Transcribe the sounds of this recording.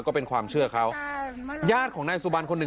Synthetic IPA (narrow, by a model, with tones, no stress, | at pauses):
kɔː˥˩pe˧nkʰwaː˧mt͡ɕʰɯ˥˩ɐkʰa˦˥w | jaː˥˩t̪̚kʰɔː˩˦ŋnaː˧jsu˧ba˧nkʰo˧nːɯ˨˩